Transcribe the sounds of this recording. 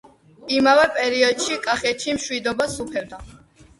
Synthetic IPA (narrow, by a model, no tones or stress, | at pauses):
imavɛpʼɛɾiɔd̪ʃikʼaχɛt̪ʰimʃwid̪ɔbasupʰɛb̚d̪a